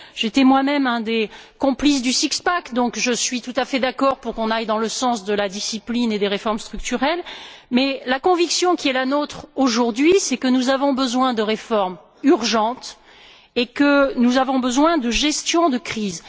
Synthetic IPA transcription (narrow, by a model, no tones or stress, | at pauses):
ʒ̥et̪ɛmwamɛmɛ̃d̪ekɔ̃plis̬d̪ysikspakd̪ɔ̃kʒəsɥit̪ut̪afɛd̪akɔʁpuʁkɔ̃najd̪ɑ̃ləsɑ̃sd̪əlad̪isiplined̪eʁefɔʁmst̪χyk̚t̪yʁɛlmɛlakɔ̃viksjɔ̃kʲiɛlanot̪χoʒuʁd̪ɥisɛkənuzavɔ̃bəzwɛ̃d̪əʁefɔʁm | yʁʒɑ̃t̪ | ekənuzavɔ̃bəzwɛ̃d̪əʒɛst̪jɔ̃d̪əkχiz